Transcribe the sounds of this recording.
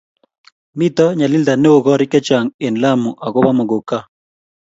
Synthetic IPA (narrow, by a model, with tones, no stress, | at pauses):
mi˦t̪ɔ˦ɲa˨lɪ˦ld̪a˨ne˦wo˨ɡɔ˦ɾɪ˦kɛ˦t͡ʃa˨ŋe˨nla˦mu˨ʔa˨ɡɔ˦ba˦mɔ˨ɡo˨ka˦